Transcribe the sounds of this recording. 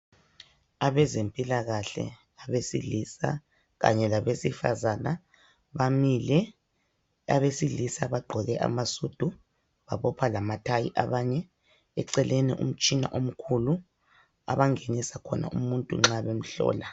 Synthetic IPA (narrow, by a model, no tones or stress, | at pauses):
aβɛzempʼilaɣaɬɛ̰ | aβesḭlisa̰ | ɣa̰ɲɛlaβesifa̰zana | βamilɛ | a̰βesilisaβaɡ͡ǃʱɔɣɛʔa̰masud̥ʱu | βaβɔpʰalamatʰajḭʔaβaɲɛ | ɛǀɛlʔenḭʔṵm̩t͡ʃʼina̰ʔom̩kʰulu | a̰βaŋenisakʰɔna̰ʔumuntʼṵŋ͡ǁaβem̩ɬɔ̰ːla